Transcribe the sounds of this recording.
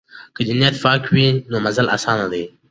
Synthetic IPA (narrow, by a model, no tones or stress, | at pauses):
kəd͡ʒɪnjat̪fɑːkwinoːmɐzəlʔa̰sɑːnad̪e